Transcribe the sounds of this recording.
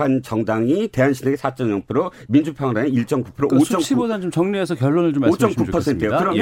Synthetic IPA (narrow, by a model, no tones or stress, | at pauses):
ant͡ɕʌŋdaŋite̞ɦanɕʰineɡesʰat͡ɕ͈ʌnjʌŋpʰɯɾo | mind͡ʑupʰjʌŋɾaneiɭt͡ɕ͈ʌŋkupʰɯɾoot͡ɕ͈ʌmʰibodant͡ɕomt͡ɕʌŋɲuesʰʌkjʌɭːonɯɭt͡ɕomot͡ɕ͈ʌmkupʰʌsʰe̞ntʰɯejokɯɾʌj